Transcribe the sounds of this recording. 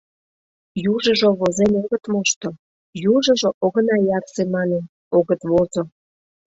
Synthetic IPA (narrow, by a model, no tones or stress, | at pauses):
juʒə̆ʒoβozenoɣə̆t̪moʃt̪o | juʒə̆ʒoʔoɣə̆nɑjɑrsemɑnen | oɣət̪βozo